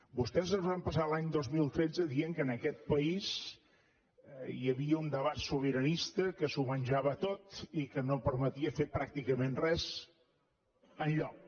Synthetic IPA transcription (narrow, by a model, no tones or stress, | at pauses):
bust̪ɛzəzβampəsalaɲd̪ozmilˠt̪ɾezəðiəŋkənəkɛt̪̚pəiz | jəβiəund̪əβat̪suβ̞iɾənist̪əkəsumənʲʒaβət̪ot̪ikənopəɾmət̪iəfepɾak̚t̪ikəmenrɛz | ənʎɔk̚